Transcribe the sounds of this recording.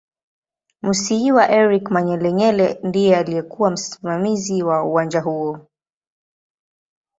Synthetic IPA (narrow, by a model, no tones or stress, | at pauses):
musiiwaʔɛɾikmaɲɛlɛɲɛlɛndijɛalijɛkuwam̩si̥mamiziwauwand͡ʒaɦuɔ